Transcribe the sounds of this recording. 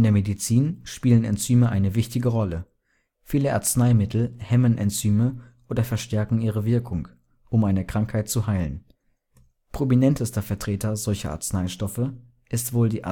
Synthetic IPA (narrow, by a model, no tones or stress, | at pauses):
ʔɪndeːɐmedit͡siːnʃpiːlənɛ̰nt͡syːməʔaɪnəvɪçtɪɡəʁɔlə | fiːləʔa̰ɐt͡snaɪmɪtʰl̩hɛmənʔɛ̰nt͡syːməʔoːdɐfɛɐʃtɛɐkŋ̩iːʁ̞əvɪɐkʰʊŋ | ʔʊmaɪnəkʁ̥aŋkhaɪt̚t͡suɦaɪlən | pʁ̥ominɛntəstɐfɛɐtʁ̥eːtʰɐzɔlçɐ̰ʔa̰ɐt͡snaɪʃtɔfə | ʔɪstv̥oːldiːʔ